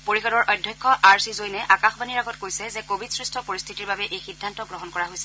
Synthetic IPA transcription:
poɹixɔdɔɹʔɔjdʱːjɔkʰːɔʔaɹsizojnɛʔakaxbaniɹaɡɔt̚kojsɛzɛkobʱidsɹistʰɔpoɹist̪ʰitiɹbabɛʔejxidʱːantɔɡɹɔɦɔnkɔɹaɦojsɛ

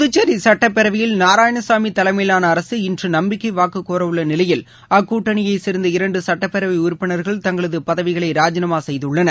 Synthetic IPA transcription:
ðɯt͡ʃːɐɾisɐʈːɐpːɛɾɐʋɪjɪlnaːɾaːjɐɳɐsaːmit̪ɐlɐmɪlaːnɐːɾɐsɯɪndrɯnɐmbɪkːɐʋaːkɯkːoːɾɐʋɯɭːɐnɪlɐjɪl | ɐkːuːʈːɐɳɪjɐɪsɪɾɯnd̪ɐɪɾɐɳɖɯsɐʈːɐpːɛɾɐʋɪʊɾpːɪɳɐɾɣɐɭt̪ɐŋɡɐɭɐðɯpɐðɐʋɪɣɐɭɐɪɾaːd͡ʒɪnɐmaːsɛjðɯɭːɐnɐ

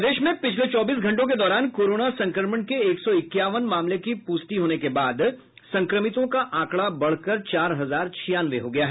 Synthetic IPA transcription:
d̪eːʃmẽpɪt͡ʃʰlet͡ʃɔːbiːs̬ɡʱɐ̃ɳʈõk̬ed̪ɔːɾaːnkoːɾoːnasɐ̃ŋkɾəɾməɳkeeːksɔɪkːjaːʋənmãːmlekipʊːst̪iɦoːnekebaːd̪ | sɐ̃ŋkɾəmɪt̪õkaʔãːkɽabɐɽ̤kəɾt͡ʃaːɾɦɐzaːɾt͡ʃʰijaːnʋeɦoɡɐjaɦɛː

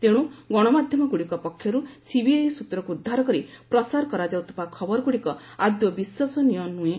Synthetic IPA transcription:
t̪eɽ̃uɡɔɽ̃ɔmad̪ʱjɔmɔɡuɽikɔpɔkʰːjɔɾusibiajsut̪ɾɔkuːd̪ʱːaɾɔkɔɾipɾɔsaɾɔkɔɾad͡ʒawt̪ʰɔ̥pakʰɔbɔɾɔɡuɽikɔad̪jɔbiswɔsɔnijɔnːue

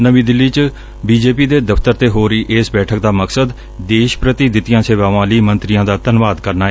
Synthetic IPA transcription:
nəʋĩːd̪ɪlːiːt͡ʃ | biːd͡ʒeːpiːd̪eːd̪əft̪əɾt̪eːɦoːɾəiːʔeːsbɛːʈʰəkd̪aːməksəd̪ | d̪eːʃpɾət̪iːd̪ɪt̪ijãːseːʋaːʋãːliːmənt̪ɾɪjãːd̪aːt̪ənʋaːd̪kəɾnaː

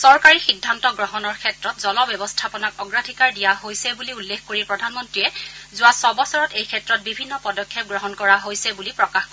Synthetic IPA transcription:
sɔɹkaɹixidʱːantɔɡɹɔɦɔnɔɹkʰɛtɹɔt̚zɔlɔbjɔbɔstʰapɔnakɔɡɹadʱikaɹdijaɦojsɛbuliulːexkoɹipɹɔdʱanmɔntɹijɛzʊwasɔbɔsɔɹɔtejkʰɛtɹɔt̚bibʱinːɔpɔdɔkʰːjɛp̚ɡɹɔɦɔnkɔɹaɦojsɛbulipɹɔkaxkɔ

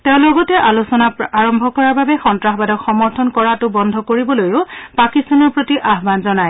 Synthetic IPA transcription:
teʊ̃loɡɔtɛʔalusɔnaaɹɔmbʱɔkɔɹaɹbabɛxɔntɹaxbadɔxɔmɔɹtʰɔnkɔɹatʊbɔndʱɔkoɹibɔlojʊpakistanɔɹpɹotiʔaɦbanzɔnaj

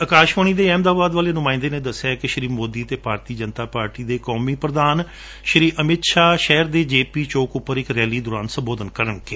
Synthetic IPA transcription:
əkaːʃʋaːɳ̃iːd̪eːɛːmd̪aːbaːd̪ʋaːleːnʊmaːɪ̃nd̪eːnẽːd̪əsːaːkɪʃɾiːmoːd̪iːt̪eːpaːɾt̪iːd͡ʒənt̪aːpaːɾʈiːd̪eːkɔːmiːpɾəd̪aːn | ʃɾiːʔəmɪt̪ʃaːʃɛːɾd̪eːd͡ʒeːpiːt͡ʃoːkʊpːəɾɪkɾɛːliːd̪ʊɾaːnsə̃mboːd̪ənkəɾəɳkeː

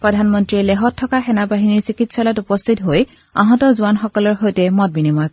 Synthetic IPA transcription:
pɹɔdʱanmɔntɹiɛlɛɦɔtʰːɔkaxɛnabaɦiniɹsikitsɔlatupɔstʰitɦoj | a̰ɦɔ̃tɔzʊanxɔkɔlɔɹxojtɛmɔt̚binimɔjk

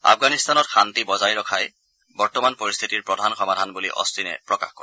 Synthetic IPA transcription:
a̰pʰɡanist̪anɔtxʰantibɔzajɹɔkʰaj | bɔɹtɔmanpɔɹist̪ʰitiɹpɹɔdʱanxɔmadʱanbulḭʔɔ̰stinɛ̰pɹɔka̰xkɔɹɛ

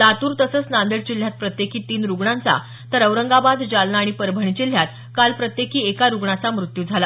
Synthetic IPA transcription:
d̪at̪uːɾt̪əsəːt͡snãnd̪əɽt͡ɕil̤ːjat̪̚pɾət̪jekiːt̪iːnɾuɡɳãnt͡sa̰ | t̪əɾəʋɾəŋɡabad̪d͡ʑalnaːɽ̃ipəɾbʱəɳ̃it͡ɕil̤jat̪ | kalpɾət̪jekiːekaɾuɡɳat͡samɾut̪juːd͡zʱala

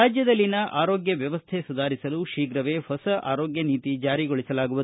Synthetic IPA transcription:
aːd͡ʒjɐd̪ɐlːinɐʔaːɾoːɡjɐʋjɐʋɐst̪ʰesud̪ʱaːɾisɐluʃiːɡɾɐʋe̞ːhɔsɐʔa̰ːɾoːɡjɐniːt̪id͡ʒaːɾiɡoɭisɐlaːɡuʋu

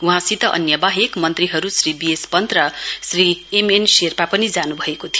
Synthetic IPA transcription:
uɦãsit̪ʌʔʌ̰njʌbaɦekmʌnt̪riɦʌɾusribiespʌnt̪rʌsriemenserpapʌnid͡zanubʱʌekot̪ʰij

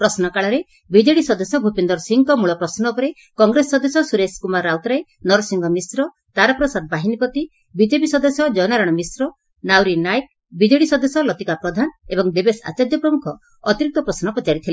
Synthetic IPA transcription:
pɾɔsnɔkaɭɔɾe | bid͡ʒeɽisɔd̪ɔsɔbʱupend̪ɔɾsiŋkɔmuɭɔpɾɔsnɔpɔɾe | kɔŋɡɾesːɔd̪ɔsɔsuɾeskumaɾːawt̪ɾae | nɔɾɔsiŋɡɔmisɾɔ | t̪aɾapɾɔsad̪̚baɦinipɔt̪i | bid͡ʒepisɔd̪ɔsjɔd͡ʒɔnaɾɔɽ̃ɔmisɾɔ | nawɾinajk̚ | bid͡ʒeɽisɔd̪ɔsɔlɔt̪ikapɾɔd̪ʱanebɔŋd̪ebesa̰t͡ʃaɾjɔpɾɔmukʰɔ | ɔt̪iɾik̚t̪ɔpɾɔsnɔpɔt͡ʃaɾit̪ʰile

